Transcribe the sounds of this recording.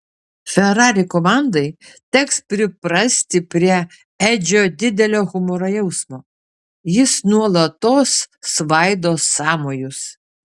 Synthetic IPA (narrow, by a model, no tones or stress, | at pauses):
fʲɛɾɑːɾʲɪkomɑˑnd̪ɐɪt̪ʲɛkspʲɾʲɪpɾɐsʲt̪ʲɪpʲɾʲiɛ | æd͡ʒʲoːd̪ʲɪd̪ʲɛlʲoːɣʊmoɾɐjɛʊsmoː | jɪsnuɔlˠɐt̪oːsːʋɐɪd̪oːsːɑːmoːjʊs